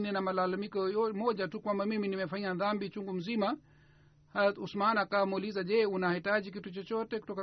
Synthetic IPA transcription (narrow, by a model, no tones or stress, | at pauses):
nɛnamalalamikɔjɔmɔʄatukwambamiminimɛfaɲaðambit͡ʃuŋɡum̩zima | hausmanakawamuulizaʄɛunahitaʄik̬itut͡ʃɔt͡ʃɔtɛku̥tɔka